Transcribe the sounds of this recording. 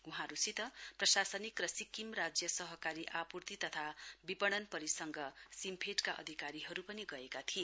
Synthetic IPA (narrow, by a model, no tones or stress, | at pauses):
uɦãɾusʰit̪ʌprʌsasʌnikrʌsikimrad͡zjʌsʌɦʌkaɾiʔapurt̪it̪ʌt̪ʰabipʌɽ̃ʌnpʌɾisʌŋɡʌsimpʰeʈkaʔʌ̰d̪ʱikaɾiɦʌɾupʌniɡʌekat̪ʰie